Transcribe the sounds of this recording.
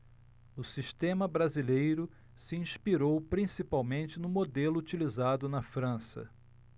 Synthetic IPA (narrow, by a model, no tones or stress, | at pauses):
ʊsiʃt̪ẽmɐbɾazilejɾʊ | siĩʃpiɾowpɾĩsipawmẽnt͡ʃɪnʊmod̪elʊut͡ʃilizad̪ʊnɐfɾɐ̃sɐ̰